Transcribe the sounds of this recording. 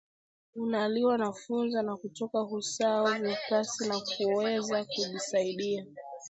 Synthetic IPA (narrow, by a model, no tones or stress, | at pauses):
unaliwanafunzanakutɔkahusaɔvipasinakuwɛzakuʄisaiɗia